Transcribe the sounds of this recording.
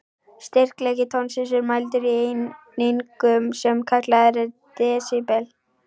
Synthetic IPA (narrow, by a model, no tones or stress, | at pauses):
st̪ɪr̥klɛːcɪt̪ʰɔnsɪsʏɾmajlt̪ʏɾienejŋkʏmsɛmkʰaklaðɛɾɪɾt̪ɛːsɪpɛl